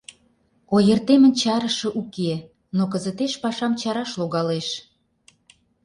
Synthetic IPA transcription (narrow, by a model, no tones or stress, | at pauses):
ojə̆rt̪emə̆nt͡ɕɑɾə̆ʃə̆ʔuke | nok̬ə̆zə̆t̪eʃpɑʃɑmt͡ɕɑɾɑʃloɣɑleʃ